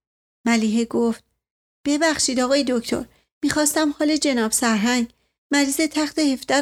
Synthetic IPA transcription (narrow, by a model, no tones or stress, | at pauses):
mæliːɦeɡoft̪̚ | b̥e̞bæxʃiːd̪ɒːɣɒːjed̪oct̪ʰo̰ɾ | miːxɒːst̪æmhɒːled͡ʒe̞nɒːbsæɾɦæŋɡ | mæɾiːzet̪ʰæxt̪ehe̞fd̪æ